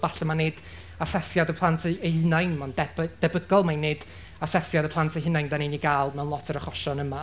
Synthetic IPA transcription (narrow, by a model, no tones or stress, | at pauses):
b̥aɬamaneːd̥ | asɛsjadəpʰlˠantʰəəhɪnajnmandɛd̥ɛbəɡɔlˠmanːeːd̥ | asɛsjadəpʰlˠantʰəɦɪnajndaniniɡaːlˠmɛwnlɔtʰəɾəχɔʃɔnəma